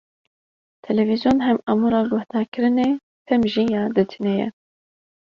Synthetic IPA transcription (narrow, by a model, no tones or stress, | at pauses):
t̪ʰɛlɛvizijoːnɦɛmɑmuɾɑːɡʊhd̪ɑːɾkɨɾɨneː | t̪ʰɛmʒiːjɑːd̪ɨt̪ʰinɛjɛ̰